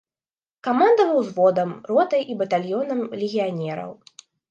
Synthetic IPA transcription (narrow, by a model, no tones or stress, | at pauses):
kamand̪ɐvɨwzvɔd̪ɐmrɔt̪ɐjibɐt̪alʲjɔnɐmlʲeɣʲijanʲɛɾɐ̰w